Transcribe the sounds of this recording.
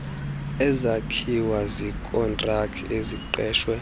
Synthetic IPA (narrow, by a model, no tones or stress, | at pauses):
ɛzakʰiwazikʼɔntʼrakʰiʔeziǃɛːʃwɛ